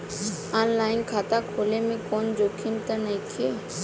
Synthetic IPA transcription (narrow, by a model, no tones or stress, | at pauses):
aːnlaːɪnkʰaːt̪akʰoːlemẽkoːnd͡ʒoːkʰimt̪ənɐĩkʰeː